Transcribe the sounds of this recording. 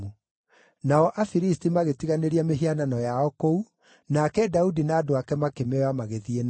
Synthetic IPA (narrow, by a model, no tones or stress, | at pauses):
u | naɔʔafiɾistimaɣetiɣaneɾiameɦiananɔjaɔkou | nakɛdaudinaːdoakɛmakemɛwamaɣeðien